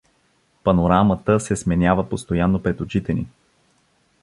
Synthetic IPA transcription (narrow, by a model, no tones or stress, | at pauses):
pɐnoɾamət̪əsɛsmɛnʲavəpost̪ojanːopɾɛt̪ot͡ʃit̪ɛnḭ